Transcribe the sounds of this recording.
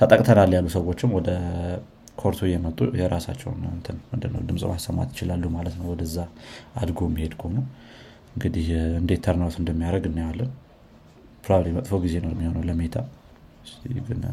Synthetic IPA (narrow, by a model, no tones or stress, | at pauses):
t̪ʰət̪ʼəkʼt̪ʰənaljalːusəwo̞t͡ʃːɪmwɔd̪ə | kʰo̞ɾt̪ʰujɛmət̪ʼːṵjɛɾasa̰t͡ʃːɛ̰wnnt̪ʰənmɨnd̪ɨnːə̰wd̪ɨmsʼɨ̰masːəmːa̰t̪jɪt͡ʃɪlalːumalət̪nəwɔd̪əzːaad̪ɡo̞mːihe̞d̪kʰhonəw | ɨŋɡɨd̪ihɨnd̪e̞t̪ʰːəɾnawt̪ɨnd̪əmːijaɾəɡɨnːajwalːən | pʰɾobablimət̪ʼfəwɡize̞nomːihonəwləme̞t̪ʰa̰ | siɡɨn